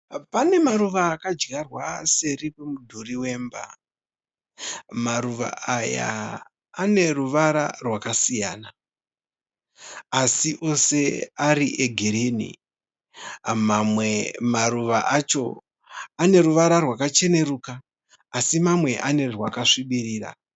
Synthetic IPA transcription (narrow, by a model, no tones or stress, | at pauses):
pane̞maruʋaːkad͡ʒɡarwase̞ripemudʱuriwe̞ːmba̰ | maɾuʋa̰aja̰ː | ne̞ruʋaɾa̰rwakasija̰ːna | siʔo̞se̞aɾiʔeɡʱiɾinḭ | mamemaɾuʋaʔat͡ʃo̞̰ | ane̞ɾuʋaɾarwakat͡ʃe̞ne̞ɾuːkaː | simamwe̞ʔane̞rwakaʂiɓiɾiːra̰